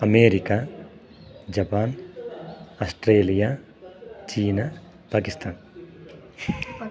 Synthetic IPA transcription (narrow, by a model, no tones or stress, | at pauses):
ɐmeːɾika | d͡ʒɐpaːn | asʈɾeːlija | t͡ʃiːna | paːkist̪ʰaːn